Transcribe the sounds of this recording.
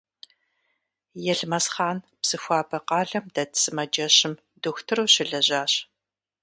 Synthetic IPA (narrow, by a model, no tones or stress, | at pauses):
jɛɮmɐsχaːn | bsɨxʷɑːbɐqɑːɮɐmdɐtsɨmɐd͡ʒɐɕɪm | duxʷtʰɨruːɕɪɮɐʑaːɕ